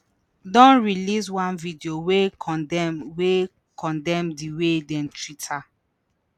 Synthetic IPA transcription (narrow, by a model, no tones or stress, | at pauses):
dɔ̃nɹilis̬wãnvidiowekʰɔ̃dɛwe | kɔ̃ndɛ̃mdiwedɛ̃ntɹitʰa